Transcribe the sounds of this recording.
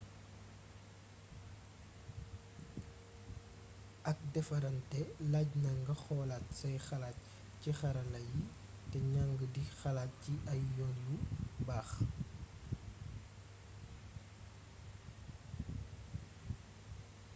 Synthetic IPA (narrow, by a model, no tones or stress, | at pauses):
ʔɐk̚dɛfɐɾɐntɛlaːɟnɐŋɡɐxɔːlatsɐjxɐlaːt̚ | cixɐɾɐlɐji | tɛɲaŋɡədixɐlaːt̚ciʔɐjjɔnjubaːx